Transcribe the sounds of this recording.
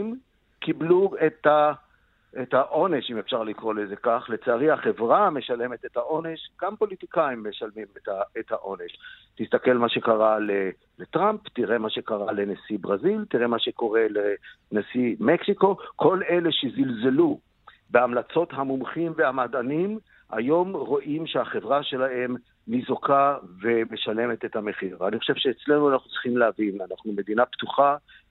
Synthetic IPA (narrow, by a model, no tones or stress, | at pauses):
m | kibluet̪a | et̪haʔo̞ne̞ʃimefʃaʁlikʁo̞leze̞kaχle̞t͡saaʁihaχe̞vʁame̞ʃale̞me̞t̪et̪haʔo̞ne̞ʃɡ̥ampo̞lit̪ikaimːe̞ʃalmimetaet̪haʔo̞ne̞ʃt̪istake̞lmaʃe̞kaʁale | let̪ʁampt̪iʁe̞maʃe̞kaʁale̞nasibʁazilt̪iʁe̞maʃe̞ko̞ʁe̞lenasimeksiko̞kʰo̞le̞le̞ʃezilze̞lu | be̞amlat͡so̞tɦamumχimvehamad̪anim | a̰jo̞mʁo̞ʔimʃeaχe̞vʁaʃe̞lahe̞m | nizokave̞me̞ʃale̞met̪et̪hame̞χiʁvaniχoʃe̞v̥ʃeːt͡sle̞nuanaχnutt͡sʁi̥χimleavinanaχnume̞d̪inapt̪uχa